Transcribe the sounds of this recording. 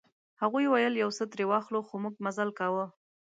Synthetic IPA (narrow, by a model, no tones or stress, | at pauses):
haɣujwajəljawsət̪ɾewɑxloxomuɡ̚mazalkawə